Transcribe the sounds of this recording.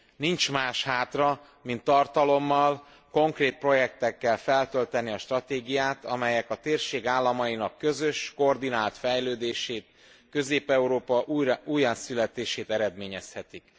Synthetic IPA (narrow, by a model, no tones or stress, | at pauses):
nint͡ʃmaːʃhaːt̪rɒ | mint̪ːɒrt̪ɒlo̞mːɒl | ko̞ŋkreːt̪̚pro̞jɛk̚t̪ɛkːɛlfɛlt̪ø̞lt̪ɛniɒʃt̪rɒt̪eːɡijaːt̪ɒmɛjɛkɒt̪eːrʃeːɡaːlːɒmɒjinɒkːø̞zø̞ʃkoːrd̪inaːlt̪fɛjløːd̪eːʃeːt̪ | kø̞zeːpɛuɾoːpɒʔuuːjasylɛt̪eːʃeːt̪ɛɾɛd̪meːɲɛshɛt̪ik